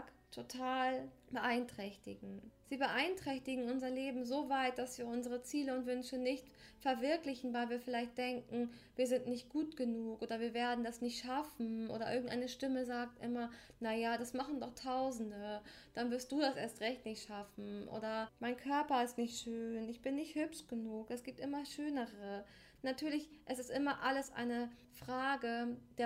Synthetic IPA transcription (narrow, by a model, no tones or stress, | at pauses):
k | tʰotʰaːlb̥əʔaɪntʁ̥ɛçtɪɡŋ̩z̥iːbəʔaɪntʁ̥ɛçtɪɡŋ̩ʊnzɐleːbm̩zoːvaɪt̚d̥asv̥iːɐʊnzəʁət͡siːləʊntv̥ʏnʃənɪçt | fɛɐvɪɐklɪçn̩vaɪlviːɐfɪlaɪçt̚d̥ɛŋkŋ̩viːɐzɪntnɪçt̚ɡ̥uːtɡ̥ənuːkʔoːdɐviːɐveːɐdn̩dasnɪçtʃafn̩ʔo̰ːɾɐʔɪɐɡŋ̩tʔa̰ɪnəʃtɪməzaːk̚tʔɪmɐnajadasmaχn̩dɔχtʰaʊzn̩də | d̥anvɪɐstd̥uːdasʔeːɐstʁɛçtnɪçtʃafn̩ʔo̰ːdɐmaɪnkʰœɐpɐɪstnɪçtʃøːnɪçb̥ɪnːɪçthøpʃɡ̥ənuːkɛsɡ̥iːp̚tʔɪmɐʃøːnəʁə | natʰyːɐlɪçʔɛsɪstʔɪmɐʔaləsʔa̰ɪnə | fʁ̥aːɡəd̥eː